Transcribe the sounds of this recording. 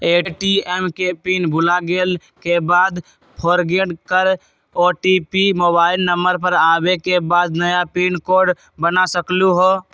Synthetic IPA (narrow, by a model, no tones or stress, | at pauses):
eʈiemkepinbʱulaɡel | kebad̪ | pʰoɾɡeɖkəɾ | ɔʈipimobaɪlnəmbəɾpəɾabekebad̪nəjapinkoɾɖ | bənasəkluɦo